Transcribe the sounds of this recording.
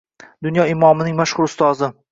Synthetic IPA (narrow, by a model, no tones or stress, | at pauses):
d̪ʊnjɒɪmɒmɪnɪŋmaʃχʊɾʊst̪ɒzɪ